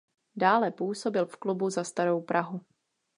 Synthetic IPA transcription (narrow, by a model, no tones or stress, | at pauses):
daːlɛpuːso̞bɪlfklubuzast̪aɾowpɾʔaɦu